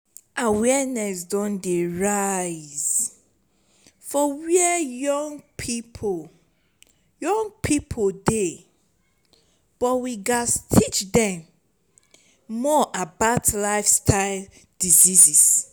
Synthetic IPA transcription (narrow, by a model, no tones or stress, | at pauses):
awɛnɛsdɔ̃ndeɹaɪz̥ | fɔwiɛjɔŋpʰipʰo | jɔ̃ŋpʰipʰode | b̥ɔtwiɡastʰit͡ʃdɛ̃m | ɔʔabaʊtlaɪfstʰaɪl | dizizis